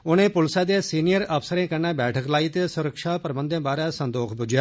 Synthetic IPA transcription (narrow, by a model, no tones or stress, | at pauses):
ʊñẽːpʊlsaːd̪esiːnɪjəɾəfʰsəɾẽːkəɾnaːbɛːʈʰəklaːiːt̪esʊɾəkʃaːpəɾəbə̃nd̪ẽːbaːɾaːsə̃nd̪oːkʰbʊd͡ʒjaː